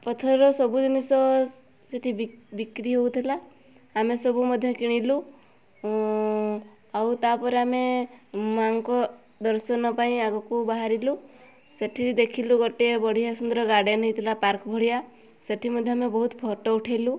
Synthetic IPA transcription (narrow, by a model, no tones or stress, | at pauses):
pɔt̪ʰɔɾɾɔsɔbud͡ʒɔnisɔ | seʈ̪ʰibikɾiɦowt̪ʰilaː | mesɔbumɔd̪ʱjɔkiɽ̃ilu | awt̪apɔɾeamemaŋkɔ | d̪ɔɾsɔnɔpaĩaɡɔkubaɦaɾilu | seʈʰiɾid̪ekʰiluɡɔʈebɔɽ̤ijasund̪ɾɔɡaɽenɔit̪ʰilapaɾkɔbʱɔɽ̤ija | seʈʰimɔd̪ʱjɔamebɔɦut̪pʰɔʈɔuʈʰajlu